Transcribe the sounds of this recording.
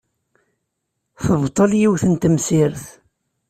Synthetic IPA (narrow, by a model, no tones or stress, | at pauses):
θəvt̪ˤːəljiwθənt̪əmsɪɾθ